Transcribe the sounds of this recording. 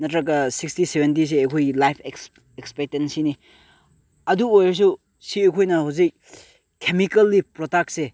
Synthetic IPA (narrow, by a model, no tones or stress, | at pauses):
nɐtɾɐk̬ɐsikstisebʱent̬is̬eːkʰojlajpʰeks | ekspek̚tensini | ɐduojɐs̬u | siekʰojnɐhawzik̚ | kʰːemikɐlːipɾotak̚se